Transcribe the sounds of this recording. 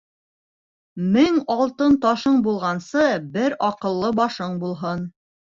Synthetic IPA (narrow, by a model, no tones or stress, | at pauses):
mɘŋɒlˠt̪ɤnt̪ɒʃɤɴbulˠʁɑnsɤbɘɾɒqɤ̆lˠːɤbɑʃɤɴbulˠɦɤn